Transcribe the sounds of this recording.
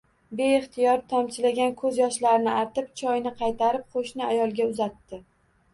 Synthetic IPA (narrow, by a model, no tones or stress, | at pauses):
be̞ɪχt̪ʰɪjɒɾt̪ʰɒmt͡ʃʰɪlaɡʲankʰɵzjɒʃlaɾɪnɪaɾt̪ɪpt͡ʃʰɒjnɪqʰɑjt̪ʰaɾɪp̚qʰoʃnɪajɒlˠɡʲaʊzat̪ːɪ